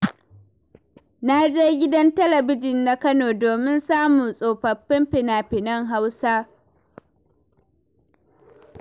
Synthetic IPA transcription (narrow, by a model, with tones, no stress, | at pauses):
na˦d͡ʒeː˦ɡʲɪ˦dɐ˦ntɐ˦lɐ˨bɪ˦d͡ʒɪ˨nːa˨˦kɐ˦noː˨doː˨mɪ˦nsaː˦muː˨sʼoː˨ɸɐ˨ɸːɪ˦mɸɪ˨naː˨pɪ˨nɐ˦ŋɦa˦wsaː˦